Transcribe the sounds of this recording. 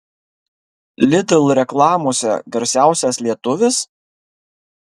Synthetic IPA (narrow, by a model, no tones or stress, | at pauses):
lʲɪd̪ʲɪlˠɾʲɛklˠɑːmoːsʲɛ̰ɡɐɾʲsʲæˑʊsʲɛslʲiɛt̪ʊʋʲɪs